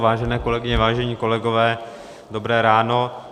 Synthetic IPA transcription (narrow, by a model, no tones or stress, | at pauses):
vaːʒɛnɛːko̞lɛɡɪɲɛvaːʒɛɲiːko̞lɛɡovɛː | do̞bɾɛːɾaːno